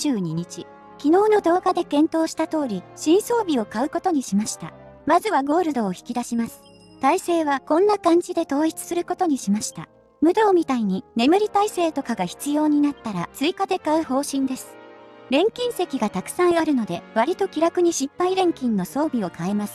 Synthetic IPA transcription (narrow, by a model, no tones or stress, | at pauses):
ɨːɲ̟iɲ̟it͡ɕi | kʲino̞ːno̞d̪o̞ːɡad̪e̞kẽ̞nt̪o̞ːɕi̥t̪at̪o̞ːɾʲiɕĩɰ̃so̞ːbʲio̞kaɯ̟ko̞t̪o̞ɲ̟iɕimaɕi̥t̪a̰mazɨβaɡo̞ːɾɯ̟d̪o̞ːçi̥kʲid̪aɕimasɨ̥ | t̪aise̞ːβakõ̞nːakãɲ̟d͡ʑid̪e̞t̪o̞ːit͡sɨ̥sɨɾɯ̟ko̞t̪o̞ɲ̟iɕimaɕi̥t̪a̰ | mɯ̟d̪o̞ːmʲit̪aiɲ̟ine̞mɯ̟ɾʲit̪aise̞ːt̪o̞kaɡaçi̥t͡sɨjo̞ːɲ̟inat̪ːaɾat͡sɨikad̪e̞kaɯ̟ho̞ːɕĩnd̪e̞sɨ̥ɾẽ̞ŋkʲĩɰ̃se̞kʲiɡat̪akɯ̟̥sãɰ̃βaɾɯ̟no̞d̪e̞βaɾʲit̪o̞kʲiɾakɯ̟ɲ̟iɕipːaiɾẽ̞ŋkʲĩnːo̞so̞ːbʲio̞kae̞masɨ̥